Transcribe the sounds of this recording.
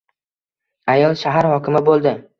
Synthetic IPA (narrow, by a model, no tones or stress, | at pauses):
ajɒlˠʃaɦaɾhɒkʲʰɪmɪbolˠd̪ɪ